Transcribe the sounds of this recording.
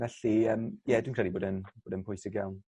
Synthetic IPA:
vɛɬiəːmjɛdwinkʰrɛliboːdənb̥oːdənpʰʊjsɪɡjawn

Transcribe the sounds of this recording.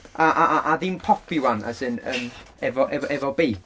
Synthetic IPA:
aʔaʔaʔaðinpʰɔpʰɪwana̰sɨnə̰m | ɛvɔʔɛvʔɛvɔbejk

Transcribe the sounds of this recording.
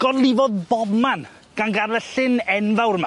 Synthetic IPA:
ɡ̥ɔlˠɪvɔðbɔman | ɡ̥anɡarlɛɬɪnɛnðawɾma

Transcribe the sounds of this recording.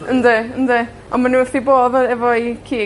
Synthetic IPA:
əndɪəndɪ | ɔnmanuəθdiboːðɛvɔikʰiː

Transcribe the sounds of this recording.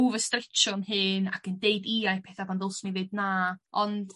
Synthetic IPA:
uvəstrɪt͡ʃɔnhɨnakəndeɨdiajpʰɛθabandolˠsmivɨdnaːɔnd̥

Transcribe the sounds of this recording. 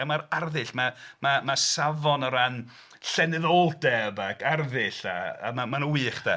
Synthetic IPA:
amaɾarðɨɬmamamasavɔnɔɾan | ɬɛnɨðoːlˠd̥ɛbakʰarðɨɬa̰a̰mamanəwiːχd̥ɛ̰

